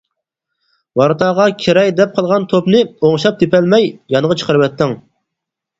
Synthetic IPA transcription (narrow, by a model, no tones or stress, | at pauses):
wɑɾt̪ʰɑʁɑkʲʰeɾɛjʲd̪ɛp̚qʰɑlˠʁɑnt̪ʰopnɨoŋʃɑp̚t̪epɛlmɛjjɑnəʁɑt͡ʃʰə̥qəɾɨwɛt̪ʰːɪŋ